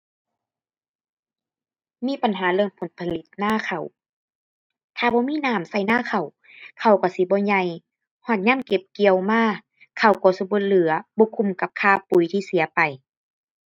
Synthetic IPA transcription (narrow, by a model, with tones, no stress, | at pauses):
miː˧˥˨pa˨nɦaː˨˦lɯ˧ə˨ŋpʰo˨˦npʰa˧li˧˦t̪̚naː˧˥˨kʰa˨˩w | t̪ʰaː˧˩bɔː˧˦miː˧˥˨naː˧˩˨msa˧˩jnaː˧˥˨kʰa˧˨˩w | kʰa˧˨˩wkɔː˧˩si˧˦bɔː˧˦ɲa˧j | hɔː˧˩t̪̚ɲaː˧˥˨nke˧˦p̚ki˨əwmaː˧˩˨ | kʰa˧˩wkɔː˧˦si˧˦bo˧˦lɯ˨˦ɐbɔː˧˦kʰu˧˩˨mka˧˦p̚kʰaː˧˩pu˨˦jt̪ʰiː˧si˨˦pa˨˩j